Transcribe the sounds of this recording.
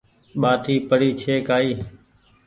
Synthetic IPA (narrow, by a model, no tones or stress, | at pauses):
ɓaːʈ̪iːpəɽiːt͡ʃʰeːkaːiː